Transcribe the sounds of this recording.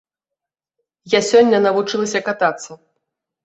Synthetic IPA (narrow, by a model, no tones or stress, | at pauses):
jasʲɔnʲːɐnɐvut͡ʂɨlˠɐsʲɐkat̪at̪sːɐ